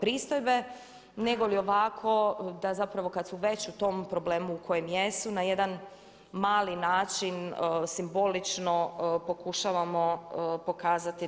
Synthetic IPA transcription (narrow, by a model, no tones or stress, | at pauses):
pɾiːst̪ojbe̞ | ne̞ɡolio̞ʋakʰo̞d̪azapɾaʋo̞kad̪suʋe̞t͡ɕut̪o̞ːmpɾo̞ble̞ːmuːko̞jemjesunajed̪an | maːlinaːt͡ʃinsimbo̞lit͡ʃno̞po̞kuʃaʋamo̞po̞kaːzat̪i